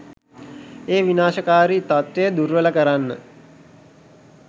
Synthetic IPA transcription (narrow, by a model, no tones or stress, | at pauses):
eːʋinaːʃəkaːɾit̪at̪ʋejəd̪urʋələkəɾanːə̰